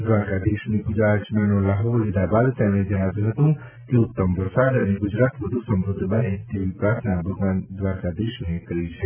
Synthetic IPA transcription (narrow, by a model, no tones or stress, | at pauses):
d̪ʋaːɾkad̪eːʃmẽɡʊd͡ʒɾaːt͡ʃmanolaɦolid̪abaːd̪t̪ɛːmẽd͡ʒanabiɦɐt̪ũ | keʊt̪ːəmbəɾsaːd̪ɐnẽɡʊd͡ʒɾaːt̪ʋəd̪ʱusə̃mɾʊd̪ʱːbaɦẽt̪eʋipɾaːɾt̪ʰnabʱɐɡʋaːnd̪ʋaːɾkad̪eːʃmẽkɐɾit͡ʃʰɛ